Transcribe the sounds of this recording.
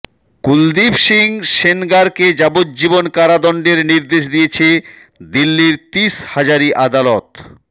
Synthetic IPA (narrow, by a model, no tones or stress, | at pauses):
kuld̪ibʃiŋʃenɡaɾked͡ʑabot̪̚d͡ʑibonkaɾad̪ɔɳɖeɾniɾd̪eʃd̪ijet͡ɕʰe | d̪ilːiɾt̪iʃhad͡ʑaɾiʔad̪alɔt̪